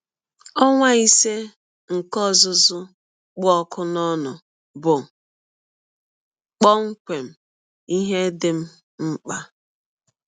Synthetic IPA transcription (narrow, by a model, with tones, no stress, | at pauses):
ɔ˦ŋʷa˦i˦se˦ | ŋ̩˨kɔ˦˨zʊ˦zʊ˦ | k͡pʊ˦ɔ˦kʊ˦nɔ˦nʊ˨ | bʊ˨ | k͡pɔ˦ŋ̩˦kʷe˨m̩˦ | i˦ɦe˦dɪ˨m̩˦ | m̩˦k͡pa˦